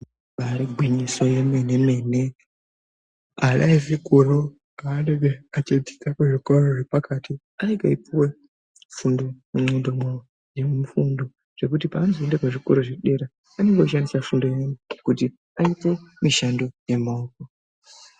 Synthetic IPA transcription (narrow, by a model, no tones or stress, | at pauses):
aɾiɡʱwiɲisojemeneme̞ne | aɗaivikoro | aːneɡeat͡ʃed͡zi̥takeʐikoɾoʐepakati | aɾeɡaipuwe | fundoemondoma | jemufundo | ʐ̥e̞kutipaːnziendekaʐikoɾoʐeɗe̞ɾa | ane̞ŋɡeaʃandisafundojemukuti | aipomiʃando̞jemaoko